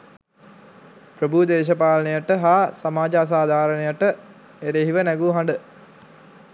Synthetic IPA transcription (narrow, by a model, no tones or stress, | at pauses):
pɾəbud̪eːʃ̬ɐpaːlɐnejəʈəɦaːsamaːd͡ʒəas̬aːd̪ʱaːɾənejəʈə | eɾeɦiʋənæɡuɦaɳɖə